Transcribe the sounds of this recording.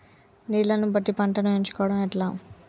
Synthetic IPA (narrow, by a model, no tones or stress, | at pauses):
niːlɐnubɐʈːipɐɳʈɐnueɲt͡ʃu̥kɔːʋɐɽɐmɛʈlaː